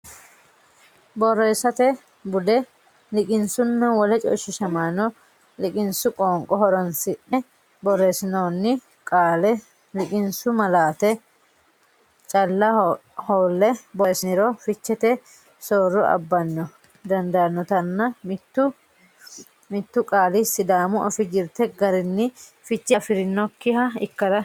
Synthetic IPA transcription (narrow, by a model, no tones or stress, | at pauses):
bɔrːeːsːɐt̪ɛ | bʊd̪ɛ | lɪkʼɪnsʊnːɐwɔlɛt͡ʃʼɔ̰ʃɪʃɐmaːnɔ | lɪkʼɪnsʊkʼoːŋkʼɔhɔɾɔnsɪʔɛ | bɔrːeːsɪnoːnːɪ | kʼaːlɛ | lɪkʼɪnsʊmɐlaːt̪ɛ | t͡ʃʼɐlːɐhoːlːɛbɔsɪnɪɾoːfɪt͡ʃːɛt̪ɛ | soːrːʊʔɐ̰bːɐnːɔ | d̪ɐnd̪anːɔt̪ɐnːɐmt̪ːʊ | mɪt̪ːʊkʼaːlɪsːɪd̪aːmʊɔfɪd͡ʒɪɾt̪ɛɡɐɾɪnːɪfɪt͡ʃːɐfɪɾɪnːɔkːɪhɐɪkːɐɾɐ